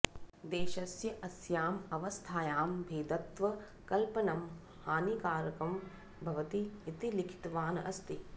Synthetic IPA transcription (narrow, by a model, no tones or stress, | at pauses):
d̪eːʃɐsjɐʔɐsjaːmɐʋɐst̪ʰaːjaːmbʱeːd̪ɐt̪ʋɐ | kɐlpɐnɐm | haːnikaːɾɐkɐm | bʱɐʋɐt̪iːt̪ilikʰi̥t̪ʋaːnɐʔɐst̪i